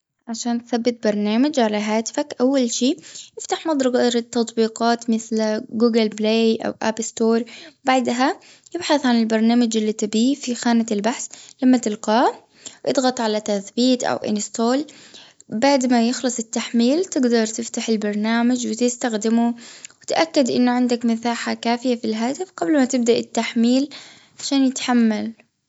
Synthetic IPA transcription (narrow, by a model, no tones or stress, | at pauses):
ʕaʃaːnt̪θabːɪt̪̚bɑɾˤnaːmad͡ʒʕalaɦaːt̪ɪ̥fakʔawːalʃiːjɪft̪aħmɑd̪ˤɾˤɑɡɾˤt̪ːɑt̪ˤbiːqɑːt̪mɪθlɡuːɡɪlbleːʔa̰wʔapst̪oːɾˤbaʕd̪ɦa | jɪbħaθʕanɪlbɑɾˤnaːmad͡ʒɪlːit̪ɪbiːfixaːnaɪlbaħslamːat̪ɪlqɑː | ʔɨd̪ˤɣɑt̪ˤʕalat̪aθbiːt̪ʔa̰wʔɪ̰nɪst̪oːl | baʕd̪majɪxlɑsˤɪt̪ːaħmiːlt̪ɪɡd̪ɑɾˤt̪ɪft̪aħɪlbɑɾˤnaːmad͡ʒwɪt̪ɪst̪axd̪ɪmuwɪt̪ʔakːad̪ʔɪ̰nːʊʕɪnd̪akmɪθaːħakaːfɪjafilɦaːt̪ɪfqɑblmat̪ɪb̚d̪aʔɪt̪ːaħmiːl | ʕaʃaːnjɪt̪ħamːal